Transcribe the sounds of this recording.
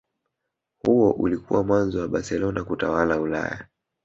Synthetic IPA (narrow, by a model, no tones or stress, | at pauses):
huwɔʔulikṵwamwanzɔwaɓaɾsɛlɔnakutawalaula̰ja